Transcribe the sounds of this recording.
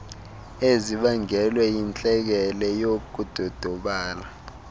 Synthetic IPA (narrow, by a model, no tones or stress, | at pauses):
eziɓaŋɛlwɛjint͡ɬʼɛk̬ɛlɛjokud̥ʱɔd̥ʱɔɓaːla